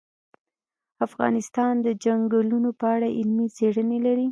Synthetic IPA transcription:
afɣɑ̰nɪst̪ɑnd̪əd͡ʒaŋɡəlunopəaɽaʔɪlmit͡seɽənelaɾi

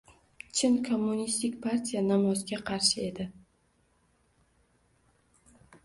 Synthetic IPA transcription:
t͡ʃʰɪnkʰomːunist̪ɪkʲpʰaɾt̪ʲʰijanamɒzɡʲaqʰɑɾʃɪe̞d̪ɪ

